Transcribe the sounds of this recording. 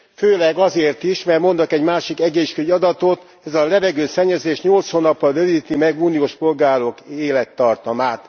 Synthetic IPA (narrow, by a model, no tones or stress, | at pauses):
føːlɛɡɒzeːrt̪iʃmɛrmo̞nd̪ɒkɛɟmaːʃikɛɡeːʃkøjɒd̪ɒt̪o̞t̪ | ɛzɒlɛvɛɡøːsɛɲːɛzeːʃɲolt̪shoːnːɒpːɒlødiːt̪imɛɡuːnijoːʃpo̞lɡaːɾo̞keːlɛt̪ːɒrt̪ɒmaːt̪